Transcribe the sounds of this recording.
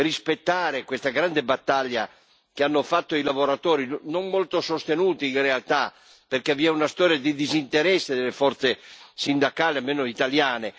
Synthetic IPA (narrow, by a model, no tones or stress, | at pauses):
rispet̪ːaːɾekwest̪aɡɾand̪ebat̪ːaʎːa | k̟eanːofat̪ːoilavoɾat̪ɔːɾinommolt̪osost̪enuːt̪iːnrealt̪a | perkeviɛunast̪ɔːɾjad̪id̪izint̪eɾɛsːed̪elːefɔrt̪sesind̪akaːliamːeːnoit̪aljaːne